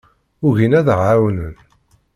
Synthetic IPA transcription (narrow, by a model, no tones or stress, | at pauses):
ʊʝinæðʁawnən